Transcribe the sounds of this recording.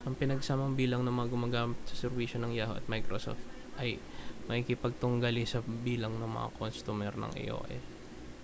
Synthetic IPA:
ʔɐŋpɪnɐɡsaːmɐŋbiːlɐŋnɐŋmɐŋaɡʊmaːɡaːmɪt̪̚sɐ̥sɛɾviʃonɐŋjaːhoʔɐ̰t̪̚majkɾoso̰ft̪ | ʔɐjmɐkikɪpɐɡ̚t̪ʊŋɡɐlɪsɐbiːlɐŋnɐŋmɐ̰ŋa̰kʰonst̪umɛɾnɐ̰ŋʔɛ̰jʔo̰ːʔɛ̰s

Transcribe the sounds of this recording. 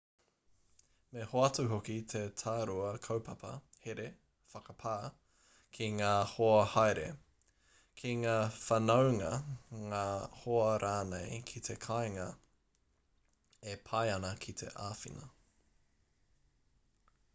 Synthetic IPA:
mehoɐt̪uɦokit̪ʰet̪ʰaːɾuɐkʰɐwpʰɐpɐ̰heɾe | fɐkɐpʰaː | kʰiŋaːhoɐhajɾḛ | kʰiŋaːfɐnɐwŋɐŋaːhoɐɾʔaːnejkʰit̪ʰekʰajŋɐ | epʰɐjɐnɐkʰit̪ʰe̞̰ʔaːfḭnɐ

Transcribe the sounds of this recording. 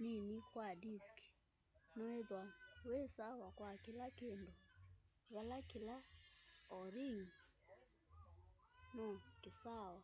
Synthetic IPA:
ninikwadiski̥ | nɔeðwakwesawakwakilakendoβalakila | ɔɾiŋ̩ | nɔkesawa

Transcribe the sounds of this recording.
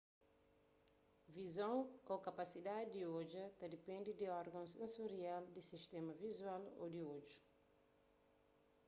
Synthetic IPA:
vizõw̃okɐpasid̪ad̪id̪iod͡ʒɐt̪ɐd̪ipẽnd̪id̪iɔɾɡɐ̃nsẽsuɾiald̪isiʃt̪ɛmɐvizwalo̰d̪iod͡ʒu̥

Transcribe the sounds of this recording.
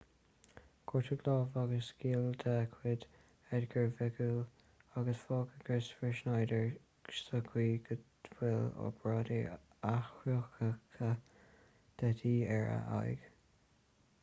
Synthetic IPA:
ɡ̥ʰɔɹt̪ʰəɡlɑːvaɡəsɡ̥iːld̪ɛkʰwɪd̪ | ɛdɡəɹvɪɡul | aɡəsfɔːɡəɡ̥ɪsfɹɪʃnajdəɹ | ʃtəkʰwiːɡəd̥wɪlɔ̰b̥ɹɑːdi | axɹoxəkʰə | d̪̥ɛtʰiːɛɹə̰ʔa̰jɡ̥

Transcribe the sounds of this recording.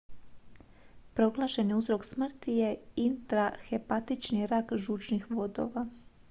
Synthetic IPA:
pɾo̞ɡlˠaːʃe̞niuzɾo̞ksmr̩t̪ije̞int̪ɾaxe̞pat̪it͡ʃniɾakʒuːt͡ʃnixʋo̞d̪o̞̰ʋa

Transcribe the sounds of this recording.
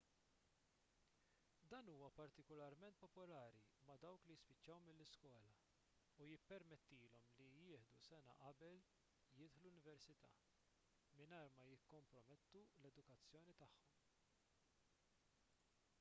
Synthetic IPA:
d̪ɐːnuːwɐpɐɾt̪ɪkɔlɐɾmɛnt̪̚pɔpɔlɐːɾimɐd̪ɐwklijɪspɪt͡ʃːɐwmɪlːɪskwɔːlɐ | ujɪpːɛɾmɛt̪ːiːlɔmlijɪːħd̪usɛnɐ̰ʔɐbɛl | jɪːt̪ħlulʊnɪvɛɾsɪt̪ɐ̰ː | mɪnɐːɾmɐjɪkːɔmpɾɔmɛt̪ːulɛd̪ʊkɐt͡sːjɔːnit̪ɐħːɔm

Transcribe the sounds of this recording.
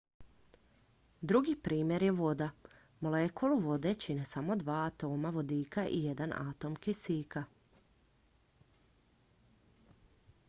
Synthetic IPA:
d̪ɾuɡipɾiːmje̞ɾjeʋo̞d̪a | molekʰolˠuʋo̞d̪e̞t͡ɕine̞samo̞d̪ʋaːt̪o̞ːmaʋo̞d̪iːkaʔḭje̞d̪ana̰t̪o̞mkisiːka

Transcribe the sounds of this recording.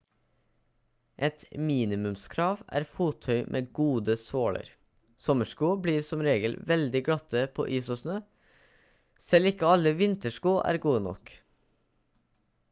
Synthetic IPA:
ʔɛt̪miːnɪmʉmskʰɾɑːʋʔæ̰ːɾfuːt̪ʰœʏmʔḛːɡuːd̪əsoːɭə̰ɾ | sɔməʃkuːbɽiːɾsɔmɾeːɡəlʋɛld̪ɪɡɽɑt̪əpʰo̰ːʔiːsoːsnøː | sɛlɪkəɑləʋɪnt̪əʃkuːʔæ̰ːɾɡuːənɔ̰k

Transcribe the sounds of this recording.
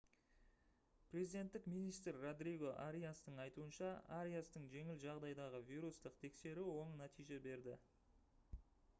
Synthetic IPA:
prʲe̞zijd̪ʲe̞nt̪ːɪkmijnijst̪rːod̪riɡo̞ʔa̰ɾijast̪əɴɑjt̪uənʃɑaɾʲijast̪əɴʒe̞ŋɪlʒɑʁd̪ɑjd̪ɑʁəvijɾust̪əqt̪ʰe̞kse̞ɾɪwo̞ɴənæt̪ijʒe̞be̞ɾd̪ɪ

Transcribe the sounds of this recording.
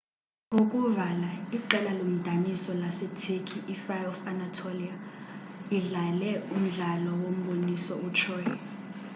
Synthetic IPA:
ok̬ʼuvalaiǃɛlalom̩d̥ʱanisɔlasɛtʰekʰiʔːfajɔfanatʰolia | iɮalɛum̩ɮalɔwom̩ɓonisɔut͡ʃʰɔːjɔ

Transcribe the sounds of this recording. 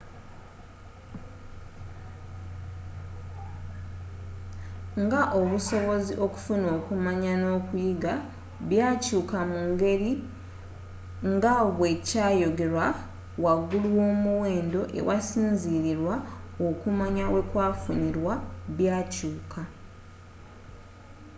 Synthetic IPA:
ŋɡaʔo̞βuso̞βo̞ziʔo̞ku̥funo̞ːkumaɲano̞ːkujiɡa | βjaːcuːkamuŋɡe̞ɾi | ŋɡaβwe̞caːjo̞ɡe̞ɾwa | waɡulwo̞ːmuwe̞ːndo̞ʔe̞̰wasiːnziɾiɾwaokumaɲawe̞kwaːfuniɾwaβjaːcuːkʰa

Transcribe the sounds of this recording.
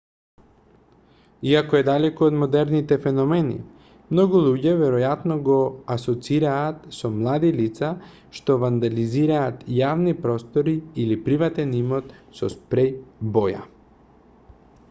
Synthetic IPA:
iakɔɛd̪alɛkoːd̪mod̪ɛɾnit̪ɛfɛnɔmɛnḭ | mnɔɡulˠuɟɛvɛɾɔjat̪nɔɡoasɔt̪siɾaːt̪sɔmlˠad̪ilit̪sa | ʃt̪ovand̪aliziɾaːt̪javnipɾɔst̪ɔɾiilipɾivat̪ɛnimɔt̪sɔspɾɛjbɔja̰

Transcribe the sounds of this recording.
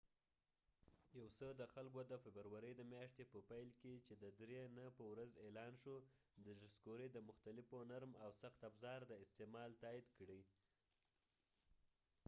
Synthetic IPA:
jawsəd̪əxalɡod̪əfɪbəɾwaɾəjd̪əmjɑʂt̪epəpajlket͡ʃed̪əd̪ɾenəpəwɾazelɑnʃo | d̪əʒɪskoɾəd̪əmʊxt̪alɪfonaɾmawsaxt̪afzɑɾd̪əɪst̪emɑlt̪ɑid̪kɽi

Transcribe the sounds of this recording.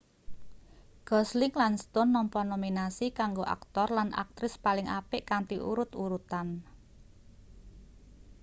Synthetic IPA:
ɡ̥ɔslɪŋlanst̪ʊnːɔmpɔnominasikaŋɡoʔa̰k̚t̪ɔrlanʔa̰k̚t̪ɾɪspalɪŋa̰pɪʔkant̪iʔṵɾʊt̪uɾut̪an

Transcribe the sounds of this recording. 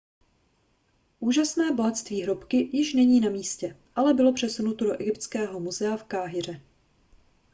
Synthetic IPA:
ʔuːʒasnɛːboɦat̪st̪viːɦɾopkɪjɪʃnɛɲiːnamiːscɛʔalɛbɪlo̞pr̝̥ɛsunut̪odo̞ʔɛɡɪpt̪t͡skɛːɦo̞muzɛafkaːɦɪr̝ɛ

